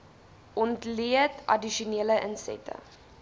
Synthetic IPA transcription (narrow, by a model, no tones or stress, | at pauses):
ʔɔntliətɐ̰diʃuniələʔənsɛ̰tə̰